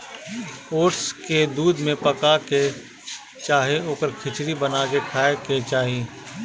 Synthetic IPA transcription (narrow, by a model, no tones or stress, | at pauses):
oːʈsked̪uːd̪mẽpəkake | t͡ʃaːɦeoːkəɾkʰɪt͡ʃɾibənakekʰaːeket͡ʃaːɦie